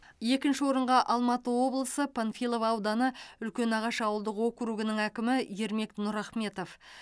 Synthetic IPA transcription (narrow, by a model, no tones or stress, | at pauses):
je̞kʲɪnʃɪwo̞ɾəɴʁɑʔɑlˠmɑt̪əwo̞blˠəsəpʰanfilˠovɑwd̪ɑnəʏlkʲe̞nɑʁɑʃɑwəlˠd̪əqwo̞kɾuɡənəŋækʲɪmɪje̞ɾme̞k̚nʊɾɑχme̞t̪o̞f